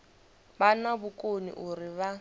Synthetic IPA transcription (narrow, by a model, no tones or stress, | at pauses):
banabʊkʼonḭʔʊrɪβa